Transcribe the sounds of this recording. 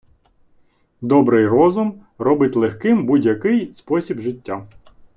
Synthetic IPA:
d̪ɔbɾɪjrɔzʊm | rɔbɪtʲlˠexkɪmbudʲjɐkɪjspɔsʲibʒɪtʲːa

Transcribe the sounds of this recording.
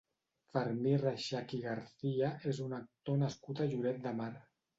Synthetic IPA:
fəɾmiraʃakiɣaɾθiaezunak̚t̪onaskut̪aʒuɾɛt̪̚d̪əmaɾ

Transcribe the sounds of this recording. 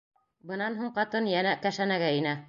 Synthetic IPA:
bɤ̆nɑnɦuɴqɑt̪ɤnjænækæʃænæɡæinæ

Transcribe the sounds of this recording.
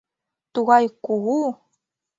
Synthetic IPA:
t̪uɣajkuɣu

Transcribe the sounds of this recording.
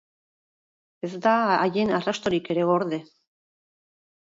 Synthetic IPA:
e̞zd̪aːje̞narast̪o̞ɾike̞ɾe̞oɾðe̞

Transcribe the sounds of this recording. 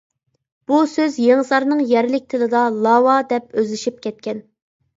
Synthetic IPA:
b̥usøzjeŋzɑɾnɨŋjɛɾlɪk̚ʲt̪ʰɪlɪd̪ɑlˠɑwɑd̪ɛp̚øzlɪʃip̚kʲʰɛt̪̚kʲɛn

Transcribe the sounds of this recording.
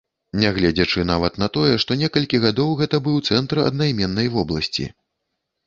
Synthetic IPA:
nʲɛɣlʲɛd͡zʲɐt͡ʂɨnavɐt̪nɐt̪ɔjɛʂt̪ɔnʲɛkɐlʲkʲiɣad̪ɔwɣɛt̪ɐbɨwt̪sɛnt̪ɾɨɐ̰d̪̚najmʲɛnːɐjvɔblˠɐsʲt͡sʲḭ

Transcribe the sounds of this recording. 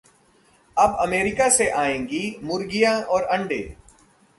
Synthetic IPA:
ɐbɐmeːɾɪkaseʔaːẽːŋɡimʊɾɡijãʔɔːɾɐ̃ɳɖḛː

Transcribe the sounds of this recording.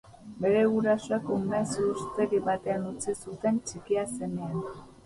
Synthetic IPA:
be̞ɾe̞ɣuɾasoekomeasust̪eɣiβat̪e̞anut͡sisut̪e̞nt͡ʃikiase̞nean

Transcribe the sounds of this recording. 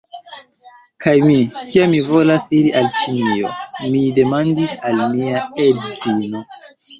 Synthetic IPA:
kʰajmikiamːivo̞lasiɾiʔalt͡ʃinio̞̰mide̞mandisalmiaezino̞

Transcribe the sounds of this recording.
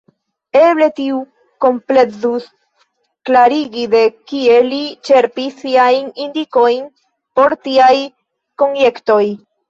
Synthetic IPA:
e̞ble̞tiu | ko̞mple̞zus | klaɾiɡide̞kie̞lit͡ʃe̞ɾpisːiajnindiko̞jn | po̞ɾtiaj | ko̞njekto̞j

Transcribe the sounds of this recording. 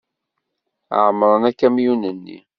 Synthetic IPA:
ʕəmɾˤənækːæmjunənːḭ

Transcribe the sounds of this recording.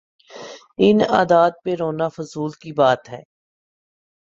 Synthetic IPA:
ɪna̰ːd̪aːd̪̚peɾoːnafʊzuːlkibaːt̪ɦɛː

